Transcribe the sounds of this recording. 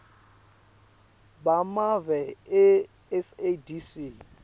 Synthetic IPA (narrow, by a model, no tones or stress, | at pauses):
bamavɛɪ | ɛsedisi